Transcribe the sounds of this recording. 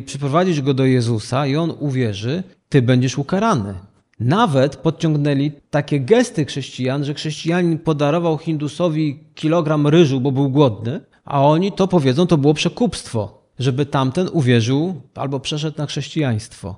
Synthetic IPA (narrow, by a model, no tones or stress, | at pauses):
pʂɛpɾɔvad͡ʑiʐɡɔd̪ɔjɛzusaiɔnuvʲjɛʐɘt̪ɘbɛɲd͡ʑɛʂukaɾanɘ̰ | navɛt̪pɔt̪t͡ɕɔ̃ŋɡnɛlʲit̪akʲɛɡɛst̪ɘxʂɛɕt͡ɕijanʐɛxʂɛɕt͡ɕijaɲinpɔd̪aɾɔvawxʲind̪usɔvʲikʲilɔɡɾamɾɘʐubɔbɘwɡwɔd̪nɘ | a̰ɔɲit̪ɔpɔvʲjɛdzɔw̃t̪ɔbɘwɔpʂɛkupst̪fɔ̰ | ʐɛbɘt̪amt̪ɛnuvʲjɛʐɘwʔa̰lbɔpʂɛʂ̬ɛt̪naxʂɛɕt͡ɕijaj̃st̪fɔ̰